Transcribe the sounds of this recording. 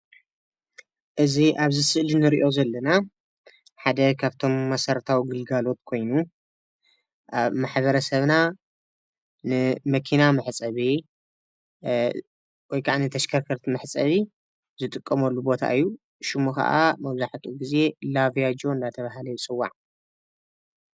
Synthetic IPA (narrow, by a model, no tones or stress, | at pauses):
ʔɨziʔaβzɨsɨʔlinɨɾiʔo̞zɐlːɐna | ħad̪ɐkʰaβt̪ʰo̞mːɐsɐɾt̪ʰawiɡɨlɡalo̞t̪̚kʰo̞jnu | aβmaħbɐɾɐsɐβna | nɨmɐkʰinamɐħt͡sʼɐβi | wɔjkʰaʔanit̪ʰɐʃkʰɐɾkʰɐɾt̪mɐħt͡sʼɐβi | zɨt̪ʼɨkʼːɐmɐlːubo̞t̪ʰa̰ʔɨjːu | ʃɨmuxɐ̰ʔamɐβzaħt̪ʰuɡize̞lavijad͡ʒo̞ɨnd̪at̪ʰɐβaɦalɐjt͡sʼɨwːa̰ʕ